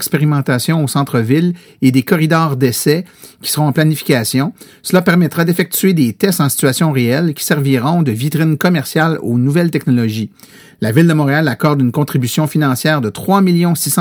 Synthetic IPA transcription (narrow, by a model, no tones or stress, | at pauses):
kspeʁimɑ̃t̪asjɔ̃osɑ̃t̪χəvɪl | ed̪ekɔʁid̪ɔːʁd̪ɛsɛkʲi̥səʁɔ̃ɑ̃planifi̥kʲasjɔ̃ | səlapɛʁmɛt̪ʁad̪efɛk̚t͡s̪yed̪et̪ɛst̪ɑ̃si̥t͡syasjɔ̃ʁeɛlkʲi̥sɛʁviʁɔ̃d̪əvit̪ʁɪnkɔmɛʁsjalonuvɛlt̪ɛknɔlɔʒi | lavɪld̪əmɔ̃ːʁealakɔʁd̪ynkɔ̃t̪ʁibysjɔ̃finɑ̃sjɛːʁd̪ət̪χwamiljɔ̃sisɑ̃